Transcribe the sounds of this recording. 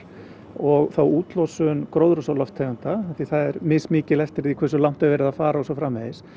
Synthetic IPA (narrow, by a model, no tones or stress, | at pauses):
ɔɣθawuːt̪lɔsʏnkɾoːwðɾʏsalɔft̪ʰːɛːɣant̪aaθiθaðɛɾmɪsmɪːcɪlɛft̪ɪɾðikʰɛɾsʏlawn̥t̪avɛːɾɪðafaːɾaɔsɔfɾaːmːɛðɪs